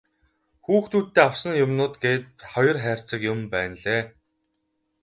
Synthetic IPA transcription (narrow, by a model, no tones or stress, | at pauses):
xuːxt̪ʰuːt̪ːeːaw̥sə̆njʊmnʊːt̪ɡeːt̪̚χɔjɞ̆rχæːr̥t͡sə̆kjʊmpæːnɮeː